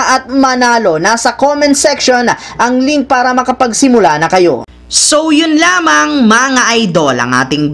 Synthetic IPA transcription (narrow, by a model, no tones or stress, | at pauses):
ʔɐt̪̚mɐnaːlo̞nasɐkomɐnsɛkʃonʔɐŋliŋ̚paːɾɐmɐkɐpɐɡsɪmʊlanɐkɐjo̞̰ | sowjʊnlaːmɐŋmɐŋaʔɐjd̪o̞lɐ̰ŋʔa̰ːt̪ɪŋ